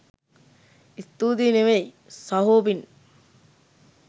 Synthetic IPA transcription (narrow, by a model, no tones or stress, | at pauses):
ist̪uːd̪ineʋej | sɐɦoːbin